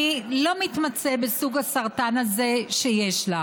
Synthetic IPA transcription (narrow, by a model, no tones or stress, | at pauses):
ilo̞mit̪mat͡sebesuɡasaʁtanaze̞ʃejeʃla